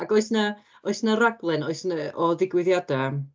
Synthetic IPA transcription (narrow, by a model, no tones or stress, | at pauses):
aɡoɔɨsnə | oɨsnəɾaɡlˠɨnoɨsnəɔðɪɡwɪðjada